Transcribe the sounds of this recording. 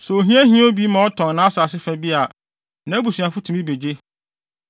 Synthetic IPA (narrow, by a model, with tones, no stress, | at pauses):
sɛ˨o˨ɦĩ˦æ˦ɦĩ˦o˦bi˦mã˨ɔ˦tʰɔ̃˨n˨nãː˨˦a˦sa˨sɪ˦fæ˨bi˦a˨ | nã˨˦bu˨si˨a˨fʊ˦tʰũ˨mĩ˦be˨d͡ʑe˦